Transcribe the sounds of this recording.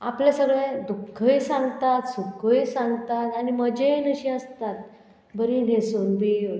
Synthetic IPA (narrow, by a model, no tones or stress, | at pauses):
a̰plesəɡɭẽd̪ukʰːəjsãŋɡt̪at̪sukʰəjsãŋɡt̪at̪añiməd͡ʑenəɕiəst̪at̪̚ | bəɾin̤esuːnbi